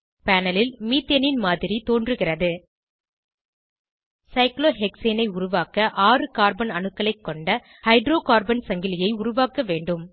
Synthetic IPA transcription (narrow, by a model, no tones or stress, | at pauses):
pæːnɐlɪlmiːt̪ːɐnɪnmaːðɪɾit̪oːndrɯɣɪrɐðɯ | sɐɪkloːɦɛkseːnɐɪʊɾʊʋaːkɐʔaːrɯkaːɾbɐnɐnɯkːɐlɐɪkːɔɳɖɐ | hɐɪɖɾoːkaːɾbɐnsɐŋɡɪlɪjɐɪʊɾʊʋaːkɐʋeːɳɖɯm